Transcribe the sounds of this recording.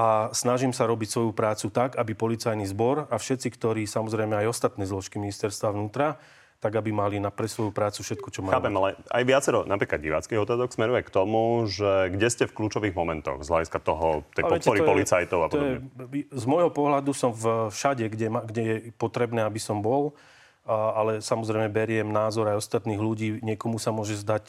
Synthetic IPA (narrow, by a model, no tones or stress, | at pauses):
ʔasnaʒimsaɾɔbicsʋɔjupɾaːt͡sut̪aɡabipɔlit͡sajnizbɔɾafʃɛt̪t͡sikt̪ɔɾiːsamɔzɾɛjmɛajɔst̪at̪nɛːzlɔʃkiminist̪ɛɾst̪ʋaʊnuːt̪ɾa | t̪aɡabimalinapɾɛsʋɔjupɾaːt͡sufʃɛt̪̚kɔt͡ʃɔmaaːpɛmalɛa̰jʋɪat͡sɛɾɔnapɾiːklad̪ɟḭʋaːt͡skiɣɔt̪aːzɔksmɛɾujɛkt̪ɔmuʒɛɡɟɛscɛfkluːt͡ʃɔʋiːɣmɔmɛnt̪ɔ̰ɣzɦla̰ɟiskat̪ɔɦɔt̪ɛpɔɛt̪ɛɔɾiɔpɔlit͡sajt̪ɔʊapɔɔdɔjɛbɲɛzmɔjɦɔpɔɦlad̪usɔmvʃaɟɛɡɟɛmaɡɟɛjɛpɔt̪ɾɛbnɛːabisɔmbɔl | alɛsamɔzɾɛɪmɛbɛɾɪɛmnaːzɔɾajɔst̪at̪niːɣluɟiːɲɪɛkɔmusamʊɔʒɛzd̪ac